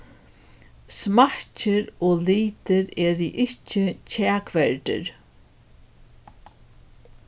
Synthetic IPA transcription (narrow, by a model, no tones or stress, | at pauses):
smat͡ʃɪɾoːliːt̪ɪɾɛːɾɪʔɪht͡ʃɪcʰæːkʋɛɹt̪ɪ̰ɾ